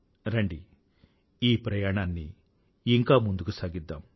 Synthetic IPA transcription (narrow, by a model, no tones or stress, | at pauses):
ɾɐɳɖi | iːpɾɐjaːɳaːnːiː | ŋkaːmund̪ukusaːɡid̪ːa̰ːm